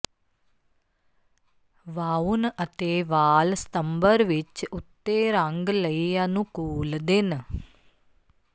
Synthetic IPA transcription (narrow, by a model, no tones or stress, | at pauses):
ʋaːunɐt̪eːʋaːlst̪ɐmbəɾʋit͡ʃːut̪ːeːɾãŋɡlɐjjanukuːld̪in